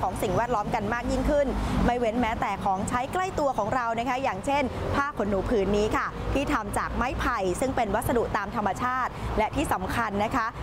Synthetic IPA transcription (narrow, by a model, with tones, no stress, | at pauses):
ɔː˩˦ŋsi˨˩ŋwɛː˥˩t̪̚lɔː˦˥mka˧nmaː˥˩k̚ji˥˩ŋkʰɯ˥˩nma˥˩jwe˦˥nmɛː˦˥t̪ɛː˨˩kʰɔː˩˦ŋt͡ɕʰa˦˥jkla˥˩jt̪u˧ɐkʰɔː˩˦ŋɾa˧wna˦˥kʰa˦˥jaː˨˩ŋt͡ɕʰe˥˩npʰaː˥˩p̚ʰːo˩˦nːuː˩˦pʰɯː˦nːiː˦˥kʰa˥˩t̪ʰiː˥˩t̪ʰa˧mt͡ɕaː˨˩k̚ma˥˩jpʰa˧jsɯ˥˩ŋpe˧nwa˦˥t̪̚sa˧du˨˩ʔt̪aː˧mt̪ʰa˧mːa˧t͡ɕʰaː˥˩t̪̚lɛ˦˥ʔt̪ʰiː˥˩sa˩˦mkʰa˧nːa˦˥kʰa˦˥